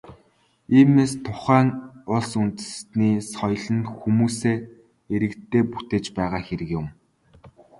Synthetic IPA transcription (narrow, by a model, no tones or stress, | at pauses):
iːmeːst̪ʰʊχæːŋʊɮsunt̪ɘ̥̆sniːsɔjɮə̆nxumuːseː | eɾɘ̆kt̪ʰːeːput̪eːt͡ɕpæːʁaːxeɾɘ̆kjʊ̆m